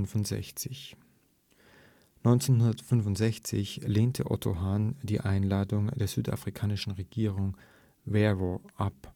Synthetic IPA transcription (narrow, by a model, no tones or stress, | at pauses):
nvʊntz̥ɛ̰çt͡sɪç | nɔʏnt͡seːnhɦʊndɐtfʏnvʊntz̥ɛçt͡sɪ̰çleːntʰəʔɔ̰tʰo̰ɦaːnd̥iːʔaɪnlaːdʊŋdeːɐz̥yːta̰fʁ̥ikʰaːnɪʃn̩ʁeɡ̥iːʁ̞ʊŋ | vɛʁoʔap